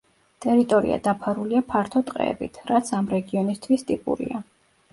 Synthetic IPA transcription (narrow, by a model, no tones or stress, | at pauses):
t̪ʼɛɾit̪ʼɔɾḭa̰d̪̥apʰaɾuliapʰaɾt̪ʰɔt̪ʼqʼɛ̰ɛbḭt̪ʰɾat̪sʰamɾɛɡiɔnist̪ʰwist̪ʼipʼṵɾḭa